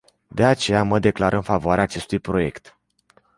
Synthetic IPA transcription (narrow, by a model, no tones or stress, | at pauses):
d̪e̞at͡ʃe̞jaməd̪e̞klaɾʔəɨnfavoaɾeaːt͡ʃe̞st̪ujpɾo̞je̞kt̪